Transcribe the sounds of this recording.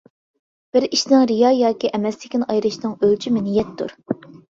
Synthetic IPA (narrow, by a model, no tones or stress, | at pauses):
b̥ɪɾiʃnɪŋɾijɑːjɑːkʲiʔɛmɛst̪ɪ̥kʲinɑjɾɨʃnɨŋølt͡ʃʰymɪnɪjɛt̪ʰːṵɾ